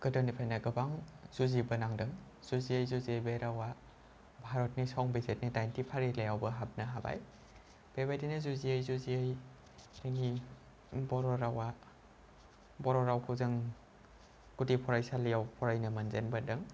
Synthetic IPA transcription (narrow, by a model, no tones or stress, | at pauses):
ɡ̥ɯdɔnipʰajnaɡɯbaŋz̥uzibənaŋdɯŋ | z̥uziəjzuziəjbeɾawa | bʱaɾɔt̚nisɔŋbezet̚nidajntipʰaɾilajawbɐɦap̚nɐɦaba̰j | b̥ebajdinɯzuziəjzuziəj | ɯni | bɔɾɔɾawa | bɔɾɔɾawpʰuzɯŋ | kutipʰɔɾajsalijawpʰɔɾajnɐmɐnzenbɐdɯŋ